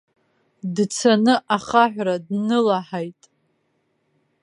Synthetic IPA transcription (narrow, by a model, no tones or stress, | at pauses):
dt͡sʰanɨʔaχaħᶣʷradnɨlaħajtʼ